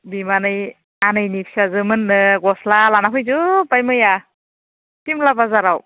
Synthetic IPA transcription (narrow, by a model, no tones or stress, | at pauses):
bimanɯj | anɯjnipʰi̥sazɯmɯnːɯɡɔslalanapʰɯjzɯbajmɯja | timlabazaɾaw